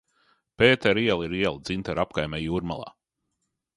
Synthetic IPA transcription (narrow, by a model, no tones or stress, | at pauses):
peːt̪ɛɾiɛlˠiɾiɛlˠd̪z̥int̪aɾapkajmɛjuːɾma̰lˠa̰ː